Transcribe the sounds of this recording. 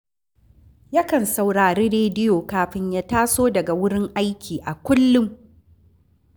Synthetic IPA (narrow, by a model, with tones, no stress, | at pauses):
ja˦kɐ˨nsa˨wɽaː˨ɾeː˦ɾeː˦dɪ˦joː˨kaː˨ɸɪ˦ɲjaː˦taː˦soː˦dɐ˨ɡa˨wʊ˦ɽɪ˦ŋʔa˦jkʲʰiː˨ʔa˨kʷʊ˦lːʊ˦m